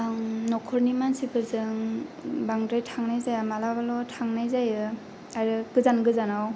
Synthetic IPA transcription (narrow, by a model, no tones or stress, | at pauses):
aŋnɔkʰɔɾnimansibɯzɯŋbaŋdɾajtʰaŋnajzajamalabalɔtʰaŋnajzajɯ | aɾɯɡɯzanɡɯzanaw